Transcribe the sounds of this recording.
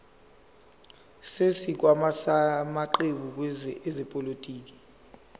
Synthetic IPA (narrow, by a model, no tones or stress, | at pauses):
sesik̬wamasamaǃeɓuk̬wɛɛzɛpʼolotʼiːk̬i̥